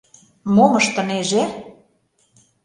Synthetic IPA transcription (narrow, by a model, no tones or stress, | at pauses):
moməʃt̪ə̆neʒe